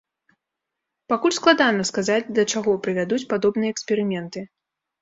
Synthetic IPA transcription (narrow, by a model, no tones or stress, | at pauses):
pakulʲsklˠad̪anɐskazad͡zʲd̪ɐt͡ʂaɣɔpɾɨvʲad̪ut͡sʲpad̪ɔbnɨjɐɛksʲpʲɛɾɨmʲɛnt̪ɨ